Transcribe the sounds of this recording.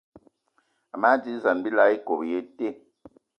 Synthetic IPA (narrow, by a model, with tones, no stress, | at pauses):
a˨ma˦di˦za˨nbi˦la˦i˦ko˨pje˨˦te˦˨